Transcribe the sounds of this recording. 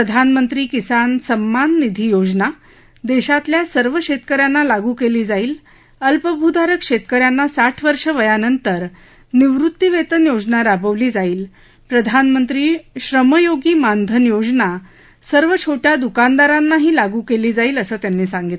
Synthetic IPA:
əd̪ʱanmənt̪ɾiːkisansəmːanːid̪ʱiːjod͡zna | d̪eɕat̪ljasəɾʋəɕet̪kəɾjanːalaɡukeliːd͡zaiːl | əlpəbʱud̪aɾəkʂet̪kəɾjanːasaʈʰʋəɾʂəʋəjanənt̪əɾ | niʋɾut̪ːiʋet̪ənjod͡znaɾabəʋliːd͡zaiːl | pɾəd̪ʱanmənt̪ɾiːɕɾəməjoɡiːmand̪ʱənjod͡zna | səɾʋət͡ɕʰoʈjad̪ukand̪aɾanːaɦiːlaɡukeliːd͡zaiːləsəːt̪janːiːsãŋɡit̪

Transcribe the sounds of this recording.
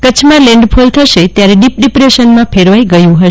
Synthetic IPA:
kət͡ʃʰmãlẽɳɖpʰult̪ʰəʃet̪jaɾeɖip̚ɖipɾeʃənmãpʰeɾʋaiɡəjũɦə

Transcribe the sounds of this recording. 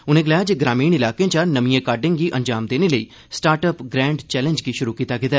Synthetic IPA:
ʊnẽːɡəlaːad͡ʒeɡɾaːmiːɳɪlaːkeãt͡ʃaːnəmijẽːkaːɾɖẽŋɡiːʔə̃ɲd͡ʒaːmd̪eːneləiː | sʈaːɾʈəpɡɾɛ̃ːɳɖt͡ʃɛːlə̃nd͡ʒɡiʃʊɾuːkiːt̪aːkɪt̪aɛ

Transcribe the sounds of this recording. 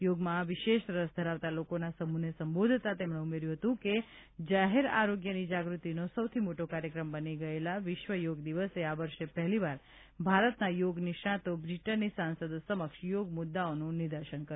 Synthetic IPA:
joɡmãʋɪʃeʃɾəsd̪ʱəɾaʋt̪alokonasəmunesəmbod̪ʱt̪at̪emɳeumeɾjũɦət̪ũke | d͡ʒaɦeɾa̰ɾoɡjənid͡ʒaɡɾut̪inosəwt̪ʰimoʈokaɾjəkɾəmbəniɡəelaʋɪʃʋəjoɡd̪iʋəseaʋəɾʃepɛɦliʋaɾ | bʱaɾət̪najoɡnɪʃãt̪obɾiʈənːisansəd̪səməkʃjoɡmʊd̪ːaonũnɪd̪əɾʃənkə

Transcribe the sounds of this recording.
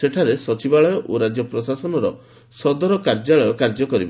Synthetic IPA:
seʈʰaɾesɔt͡ʃibaɭɔjɔʔoɾad͡ʒɔpɾɔsasɔnɔɾɔ̰ | sɔd̪ɔɾɔkaɾd͡ʒaɭɔjɔkaɾd͡ʒɔkɔɾibɔ

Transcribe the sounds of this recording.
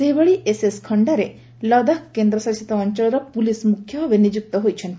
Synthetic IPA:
seɦibaɭiʔeseskʰɔɳɖaɾe | lɔd̪akkːend̪ɾɔsɐɾsi̥t̪ɔːɲt͡ʃɔlɔɾɔpulismukʰjɔʋenid͡ʒuk̚t̪ɔɦojt͡ʃʰɔ̃nt̪i

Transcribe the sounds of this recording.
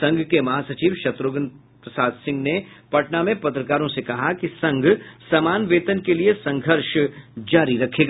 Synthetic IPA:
sɐ̃ŋɡʱkemɐɦaːsɐt͡ʃiːʋʃɐt̪ɾoːɡən | pɾɐsaːd̪sɪ̃ŋɡnepɐʈnamẽpɐt̪ɾəkaːɾõsekɐɦakisɐ̃ŋɡʱsɐmaːnʋeːt̪ənkeliesɐ̃ŋɡʱəɾʃd͡ʒaːɾiɾɐkʰeːɡaː

